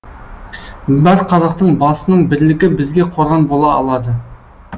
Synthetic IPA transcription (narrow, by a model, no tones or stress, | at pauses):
bæɾqʰɑzɑqt̪əɴbɑsənəɴbɪɾlɪkʲɪbɪzɡʲe̞qʰo̞ɾʁɑnbo̞lˠɑɑ̰lˠɑd̪ə